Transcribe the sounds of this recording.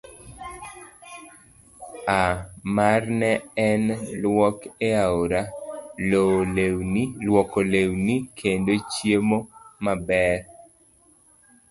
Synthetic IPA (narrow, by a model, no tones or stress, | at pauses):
amarnɛɛnlwɔkeaoɾa | lwɔkolewnikʰendot͡ʃjemomabɛr